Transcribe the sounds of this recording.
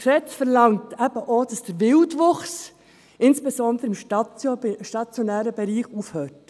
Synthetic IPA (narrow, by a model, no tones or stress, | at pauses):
ʃɛt͡sfəɾlɑŋtæb̥əʔoːd̥ɑsd̥əɾvɪltʋʊχs | ʔɪnsb̥ɛsɔndɾəɪmʃ | ʃtɑt͡sjɔnæːɾəbɛɾiːχufhøːt